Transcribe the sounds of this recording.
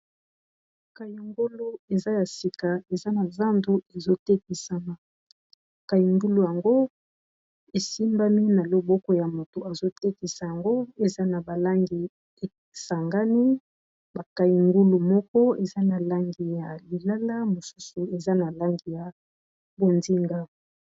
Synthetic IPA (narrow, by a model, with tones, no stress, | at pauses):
ka˨ju˨ŋɡo˦lo˦e˨za˦ja˨si˨ka˨e˨za˦na˨za˦ndu˦e˨zo˦te˦k̚i˨sa˦ma˨ | ka˨ji˨ŋɡu˦lu˨ja˨ŋɡo˦ | e˨si˦mba˦mi˦na˨lo˨bɔ˦kɔ˦ja˨mo˨to˨a˨zo˦te˦ki˨sa˨ja˨ŋɡo˦e˨za˦na˨ba˨la˦ŋɡi˨ | e˨ | sa˨ŋɡa˦ni˦ | ba˨ka˨ji˨ŋɡu˦lu˨mɔ˦kɔ˦e˨za˦na˨la˦ŋɡi˨ja˨li˨la˦la˦mo˨su̥˦su˨e˨za˦na˨la˦ŋɡi˨ja˨ | bo˨ndi˦ŋɡa˦